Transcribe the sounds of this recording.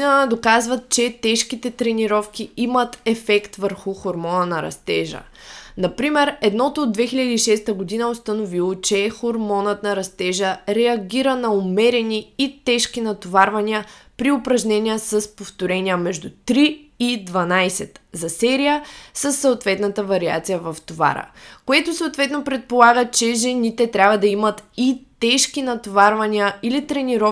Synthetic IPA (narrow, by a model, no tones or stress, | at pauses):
d̪okazvət̪̚t͡ʃɛt̪ɛʃkit̪ɛt̪ɾɛniɾɔfkiimət̪ɛfɛkt̪vəɾxʊxoɾmɔnənɐɾɐ̰st̪ɛʒə̰ | nɐpɾimɛɾɛd̪nɔt̪ʊːd̪̚vɛxilʲəd̪iːʃɛst̪əɡod̪inəost̪ɐnovilˠot͡ʃɛxoɾmɔnət̪nɐɾɐst̪ɛʒəɾɛɐɡʲiɾənɐomɛɾɛniit̪ɛʃkinɐt̪ovaɾvɐnʲiəpɾiʊpɾɐʒnɛnʲiəsəspoft̪oɾɛnʲiəmɛʒd̪ut̪ɾiid̪vɐnajsɛt̪zɐsɛɾijəsəsːəːt̪vɛt̪nət̪əvɐɾia̰t̪sijəvɐft̪ova̰ɾə̰koɛt̪ʊsoːt̪vɛt̪nopɾɛt̪̚polˠaɡət͡ʃɛʒɛnit̪ɛt̪ɾʲabvɐd̪ɐimət̪it̪ɛʃkinɐt̪ovaɾvɐniəilit̪ɾɛniɾɔ